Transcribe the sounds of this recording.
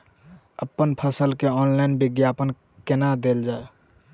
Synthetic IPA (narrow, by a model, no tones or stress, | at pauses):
əpːənpʰəsəlkeɔnlaɪnbiɡjapən | kenad̪eld͡ʒae